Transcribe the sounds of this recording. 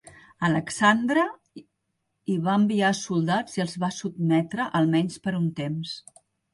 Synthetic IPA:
ələksand̪ɾə | iβaəmbiasulˠd̪ad͡ziəlˠzβasub̚mɛt̪ɾəʔəlˠmɛɲspəɾunt̪ems

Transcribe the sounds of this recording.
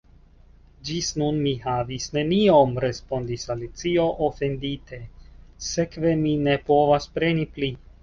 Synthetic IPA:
d͡ʒisnunmiɦavisne̞nio̞mɾe̞spo̞ndisalit͡sio̞ʔofe̞nditʰe̞se̞kve̞mine̞po̞vaspɾe̞nipli

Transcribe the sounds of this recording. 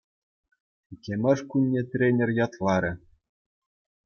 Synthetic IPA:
ikʲemʲɘ̆ʂkunʲːet̪rʲenʲĕrʲjɑt̪lˠɑɾʲɘ̆

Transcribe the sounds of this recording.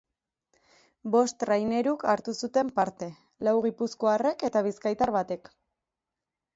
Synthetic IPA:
bo̞st̪rajne̞ɾukaɾt̪usut̪e̞mpaɾt̪e̞ | lawɣ̞ipusko̞are̞ke̞t̪aβ̞iskajt̪aɾβat̪e̞k

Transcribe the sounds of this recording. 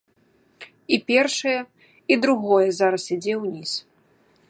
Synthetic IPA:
ipʲɛrʂɐjɛ | id̪ɾuɣɔjɛzaɾɐsʲid͡zʲɛwnʲis

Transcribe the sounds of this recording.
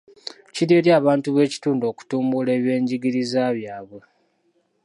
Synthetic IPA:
ciɾje̞ːɾjaːβaːntuβe̞ːci̥tuːndo̞ːku̥tuːmbule̞ːβje̞ːɲɟiɡiɾizaβjaːβwe̞

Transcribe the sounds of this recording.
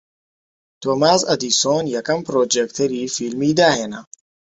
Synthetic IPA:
t̪ʰoːmaːzɐd̪iːsoːnjɛkɐmpɾoːd͡ʒekt̪ʰɐɾiːfiːlmiːd̪aːheːnɐ

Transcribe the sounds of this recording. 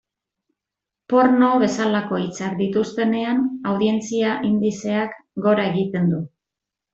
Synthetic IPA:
po̞ɾno̞βe̞salako̞it͡saɾd̪it̪ust̪e̞ne̞anawðie̞nt͡siaʔind̪ise̞akɡo̞ɾae̞ɣit̪e̞nd̪u

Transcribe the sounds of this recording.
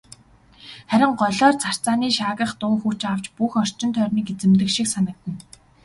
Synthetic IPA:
χæɾʲɪ̆ɴɢɔɮɔːrt͡sʰar̥t͡saːniːʃaːɣə̆χt̪ʊːŋxut͡ɕaw̥t͡ɕpuxɔr̥t͡ɕɪ̆nt̪ʰœrʲniːket͡sɘ̆mt̪ɘ̆kʃiksanə̆k̚t̪ɘ̆n

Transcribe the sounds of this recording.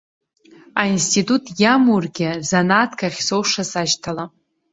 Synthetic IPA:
ainstʰitʼutʰʼjamurɡʲɪzanatʰkʰaχʲsowʂasaʃtʰala

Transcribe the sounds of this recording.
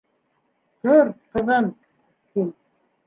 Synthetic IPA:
t̪ɵɾqɤ̆ðɤn | t̪im

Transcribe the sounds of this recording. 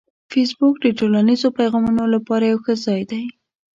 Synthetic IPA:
fes̬bʊk̚d̪əʈolanizopajɣɑmunolapɑɾajawxəzɑjd̪aj

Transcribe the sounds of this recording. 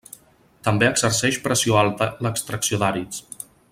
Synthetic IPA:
t̪əmbeəɡzərsɛʃpɾəsioalˠt̪ələkst̪ɾəksiod̪aɾit͡s

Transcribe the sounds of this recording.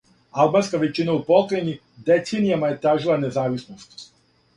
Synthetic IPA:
albaːnskaʋet͡ʃinaupokɾeɲi | d̪et̪senijamaje̞t̪ɾaːʒilˠane̞zaːʋisnost̪

